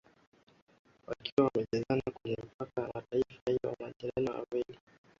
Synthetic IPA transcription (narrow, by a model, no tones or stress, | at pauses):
wakiwawamɛʄazanakulim̩pakamataifahiwa̰maʄiɾaniwa̰wɛli